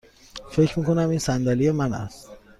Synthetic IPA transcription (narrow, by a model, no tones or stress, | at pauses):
fe̞cʰɾmiːko̞næmiːnsænd̪ælijemænæ̰st̪